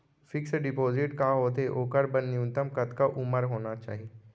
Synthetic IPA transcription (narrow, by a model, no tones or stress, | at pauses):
fɪksɖɪpoːzɪʈkaːɦot̪eʔoːkəɾbɐnːɪjũnt̪əmkɐt̪kaʔʊməɾɦoːnat͡ʃa̰ːɦieː